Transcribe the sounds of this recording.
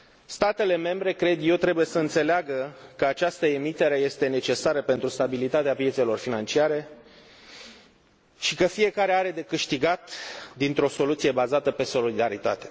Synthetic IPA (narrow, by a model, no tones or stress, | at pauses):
st̪at̪e̞le̞me̞mbɾe̞kɾe̞d̪je̞wt̪ɾe̞buje̞səɨnt̪se̞leaɡəkəat͡ʃast̪əe̞mit̪e̞ɾe̞je̞st̪e̞ne̞t͡ʃe̞saɾəpe̞nt̪ɾust̪abilit̪at̪eapje̞t̪se̞lo̞rfinant͡ʃiaɾe̞ | ʃikəfije̞kaɾe̞aɾe̞d̪e̞kɨʃt̪iɡat̪d̪int̪ɾo̞so̞lut̪sijebazat̪əpe̞so̞lid̪aɾit̪a̰t̪e̞̥